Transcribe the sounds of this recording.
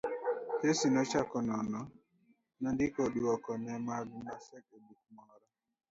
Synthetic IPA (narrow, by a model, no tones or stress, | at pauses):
tesinɔt͡ʃakɔnɔnɔ | nandɪkɔduwɔkɔnɛmaɡmasɛkebuk̚mɔɾɔ